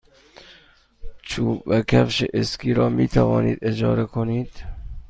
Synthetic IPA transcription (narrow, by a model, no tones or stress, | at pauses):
t͡ʃʰuːbvækʰæfʃeʔeskʰiːɾɒːmiːt̪ʰævɒːnḭːd̪ed͡ʒɒːɾekʰoniːd̪̥